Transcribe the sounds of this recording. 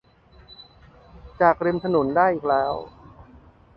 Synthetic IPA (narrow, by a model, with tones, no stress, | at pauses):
t͡ɕaː˨˩k̚ɾi˧mt̪ʰa˧no˩˦ndaː˥˩jʔiː˨˩k̚lɛː˦˥w